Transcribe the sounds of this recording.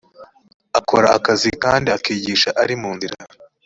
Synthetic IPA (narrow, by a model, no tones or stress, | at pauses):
akoɾaʔakazikaːndiakiːɟiːʃaʔaɾimuːnziɾa